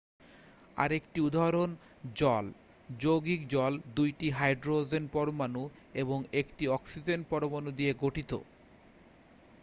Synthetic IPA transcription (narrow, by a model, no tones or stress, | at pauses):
a̰ɾekʈiud̪ʱaɾon | d͡ʑɔl | d͡ʑoɡikd͡ʑɔld̪ujʈiɦajɖɾod͡ʑenpɔɾomanu | eβoŋekʈiɔksid͡ʑenpɔɾomanud̪ieɡoʈʰit̪o̰